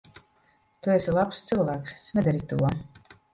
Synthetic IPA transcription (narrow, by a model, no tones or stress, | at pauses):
t̪uesilˠapst̪sɨlˠvæːksnɛd̪aɾit̪uɔ